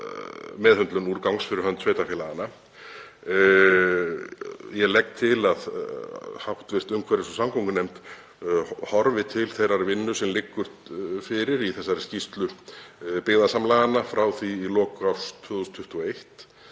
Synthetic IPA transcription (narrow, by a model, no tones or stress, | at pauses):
mɛðhʏnt̪lʏnuɾkawŋsfɪɾɪɾhœnt̪sʰveːjt̪afɛːlaɣana | jɛlɛk̚t̪ʰɪlað | hawht̪vɪr̥t̪ʏmkʰvɛɾɪsɔsamkoŋkʏnejmt̪ | hɔɾvɪt̪ʰɪlθejɾaɾvɪnːʏsɛmlɪkːʏɾ̥t̪fɪɾɪɾiθɛsːaɾɪscist̪lʏ | pɪðasamlaɣanːafɾaːwθiːlɔːkawst̪ʰvʏːðust̪ʰʏht̪uɔejht̪